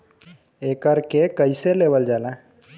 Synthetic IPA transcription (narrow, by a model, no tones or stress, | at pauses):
ekəɾkekəjseleʋəld͡zala